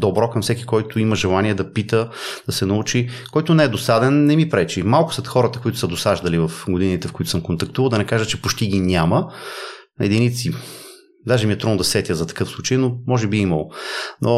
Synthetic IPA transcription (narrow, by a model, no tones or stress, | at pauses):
d̪obɾɔkɐmfsɛkikɔjt̪ʊiməʒɛlˠaniɛd̪ɐpit̪əd̪̥ɐsɛnɐut͡ʃikɔjt̪ʊnɛɛd̪osad̪ɛnːɛmipɾɛt͡ʃimalˠkʊsɛt̪xɔɾət̪əkoit̪ʊ̥sɐd̪osaʒd̪ɐlivɐfɡod̪init̪ɛfkoʊit̪ʊsmkont̪ɐk̚t̪uvəlˠd̪ɐnɛkaʒət͡ʃɛpoʃt̪iɡinʲamə | ɛd̪init̪si | d̪aʒɛmiɛt̪ɾud̪nod̪ɐsɛt̪ʲjəzɐt̪ɐ̥kɤfslˠut͡ʃəjnomɔʒɛbiimɐlˠonʔo